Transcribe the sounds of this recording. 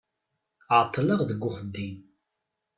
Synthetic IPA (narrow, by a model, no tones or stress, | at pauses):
ʕt̪ˤːləʁðəɡːʊχəd̪ːim